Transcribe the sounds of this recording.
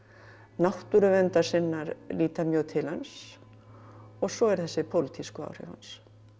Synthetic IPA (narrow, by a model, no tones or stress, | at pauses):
naht̪ʏɾʏvɛnt̪ḁsɪnːaɾliːt̪amjœːt̪ʰɪlans | ɔɣsɔɛɾθɛsːɪpʰowlɪt̪ʰiskʏa̰ːwr̥ɪ̰va̰ns